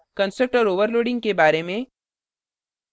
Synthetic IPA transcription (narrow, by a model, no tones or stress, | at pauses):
kə̃nsək̚ʈɔːɾoːʋəɾloːɖɪ̃ŋɡkebaːɾemẽ